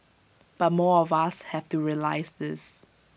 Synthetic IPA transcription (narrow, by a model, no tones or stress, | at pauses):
b̥at̚mɔɔvashɛftuɹiəla̰ɪsdɪs